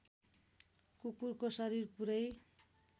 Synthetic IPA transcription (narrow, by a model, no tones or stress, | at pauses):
kukurkosʌɾirpuɾʌj